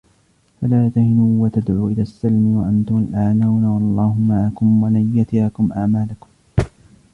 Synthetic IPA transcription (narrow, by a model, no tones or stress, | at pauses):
falaːt̪ahɪnuːwat̪ad̪ʕuːʔɪlaːsːalmɪwaʔant̪ʊmalʔaʕnawnawɑlˤːɑːhʊmːaʕakʊmwalanjat̪ɪjakʊmʔaʕmaːlakʊm